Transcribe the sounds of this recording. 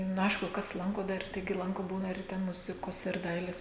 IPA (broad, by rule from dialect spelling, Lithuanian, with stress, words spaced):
nʊ ˈɐɪʃkʊ ˈkɐs ˈlˠɐŋkoː ˈdɐr ˈtɐɪɡʲɪ ˈlˠɐŋkoː ˈbuːnɐ ɪr ˈtʲɛn ˈmʊzʲɪkoːs ɪr ˈdɐɪlʲeːs